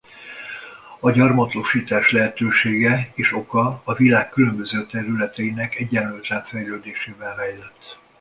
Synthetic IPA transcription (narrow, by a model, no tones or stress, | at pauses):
ɒɟɒrmɒt̪oʃiːt̪aːʃlɛɦɛt̪øːʃeːɡɛeːʃo̞kɒːvilaːkːylø̞mbø̞zøːt̪ɛɾylɛt̪ɛinɛkɛɟːɛnlylt̪ɛɱfɛjløːd̪eːʃeːvɛlɦajlɛt̪ː